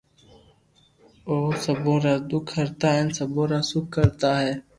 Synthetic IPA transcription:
oːsəbõːɾaːd̪ʊkʰːəɾt̪aːɦɛ̃nsəbõːɾaːsʊkʰːəɾt̪aːɦɛː

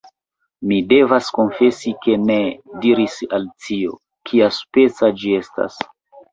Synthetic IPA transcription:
mide̞vasko̞nfe̞sike̞ne̞diɾisaltio̞̰ | kʰiaspe̞t͡sad͡ʒie̞sta̰s

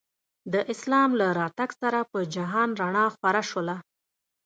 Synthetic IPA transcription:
d̪əʔɪslɑmlaɾɑt̪aɡsaɾapəd͡ʒaɦɑnɾaɳɑxwaɾaʃwəla

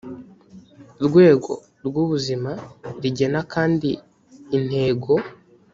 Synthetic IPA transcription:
ɾɡwe̞ːɡo̞ | ɾɡuβuzimaɾiɟe̞nakaːndiː | n̥he̞ːɡo̞

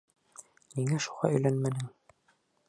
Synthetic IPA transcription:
niŋæʃuʁɑ̰ɵ̆jlænmænɘŋ

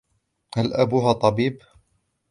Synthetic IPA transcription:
halʔabuːɦat̪ˤɑbiːb

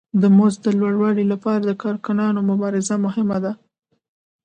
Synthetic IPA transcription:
d̪əmozd̪əlwaɽwɑɽilapɑɾad̪əkɑɾkʊnɑnomʊbɑɾɪzamʊhɪmad̪a

